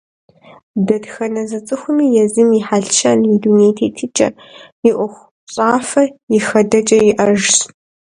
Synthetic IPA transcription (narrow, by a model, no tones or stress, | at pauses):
dɐdxɐnɐzɐt͡sʼɨxʷʊmiːjɛzɨmiħaɮʃʰɐnjiduːneːjtʰeːtʰɨt͡ʃʼɐ̰ | jɪʔʷʊxʷ | ɕʼaːfɐjɪxɐdɐt͡ʃʼɐjɪʔɐʒs